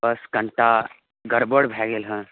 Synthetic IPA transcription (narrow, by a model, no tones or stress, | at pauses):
əskɐ̃ɳʈa | ɡɐɾboɽbʱɛːɡeːlɦə̃